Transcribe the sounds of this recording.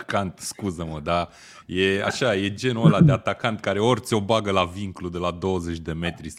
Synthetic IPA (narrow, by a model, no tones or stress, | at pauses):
kant̪skuzəməd̪a | je̞a̰ʃaje̞d͡ʒe̞nolad̪eat̪akant̪kaɾe̞o̞rt͡ʃo̞baɡəlaviŋklud̪e̞lad̪o̞wəze̞t͡ʃʲd̪e̞me̞t̪ɾis